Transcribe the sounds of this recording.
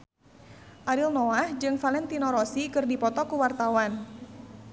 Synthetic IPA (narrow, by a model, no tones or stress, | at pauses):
ʔaɾilnɔahd͡ʒɨŋfalɛnt̪inɔɾɔsikɨrdipɔt̪ɔkuwart̪awan